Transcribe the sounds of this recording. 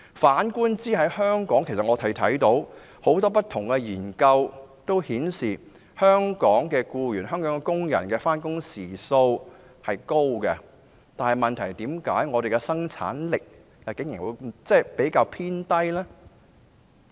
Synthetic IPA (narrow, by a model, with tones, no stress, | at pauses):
faː˨˥nkuː˥nt͡siː˥ɦɐ˨˥jhœː˥ŋkɔː˨˥ŋkʰsɐ˨ŋɔː˨˧t̪ʰɐ˨˩jt̪ʰɐ˨˥jt̪o˨˥w | ho˨˥wt̪ɔː˥pɐ˥t̪̚ʰʊ˨˩ŋkɛ˧jiː˨˩nkɐ˧wt̪o˥whiː˨˥nsiː˨˩ | hœː˥ŋkɔː˨˥ŋkɛː˧kuː˧jyː˨˩nɦœː˥ŋkɔː˨˥ŋɛ˧kʊ˥ŋjɐ̰˨˩nkɛː˧faː˥nkʊ˥ŋsiː˨˩so˧w | hɐ˨jko˥wkɛ˧ | t̪aː˨nhɐ˨jmɐ˨nt̪ʰɐ˨˩jt̪iː˨˥mka̰ː˨˥jŋɔː˨˧ɾe˨jkɛ˧sɐ˥ŋt͡sʰa̰ː˨˥nlɪ˨k̚ | jɐ˨wkɪ˨˥ŋji˨˩ŋwṵ˨˧t͡sɛː˥˩pe˨˥jkaː˧wpʰiː˥nt̪ɐ˥jlɛː˥